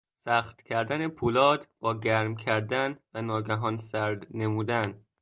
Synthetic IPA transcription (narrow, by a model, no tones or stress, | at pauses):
sæːχt̪cʲʰæɾd̪ænepʰuːlɒːd̪b̥ɒːɟæɾmcʰæɾd̪ænvænɒːɡæɦɒːnsæɾd̪ne̞muːd̪æn